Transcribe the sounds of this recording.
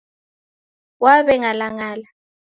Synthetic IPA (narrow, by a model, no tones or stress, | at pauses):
waβɛŋalaŋaːla